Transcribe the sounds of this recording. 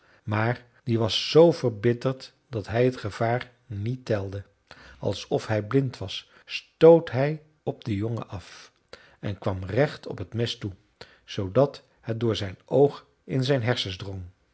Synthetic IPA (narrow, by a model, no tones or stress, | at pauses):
maːɹ | diʋɑsːowvəɹbɪtəɹt | d̥ɑtɦɛjətχəv̥aːr | nitɛlˠdə | ɑ̰lˠsɔfɦɛjblɪntʋɑsː | towtɦɛj | ɔb̚dəjɔŋə̰ʔɑf | ɛnkʋɑmrɛχtʰɔ̰pɦətmɪstu | z̥owdɑt | hɛt̚dʊːɹzɛjnowχ | ɪnzɛjnɦɛɹsəzdrɔŋ